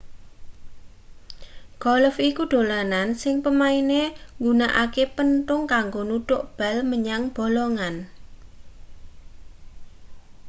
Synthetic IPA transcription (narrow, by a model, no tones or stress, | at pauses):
ɡ̥ɔləfikuɖ̪̥o̤lanansɪŋpəmaineŋɡunaʔa̰kepənt̪ʊŋkaŋɡonut̪ʊʔb̥a̤lməɲaŋb̥o̤lɔŋan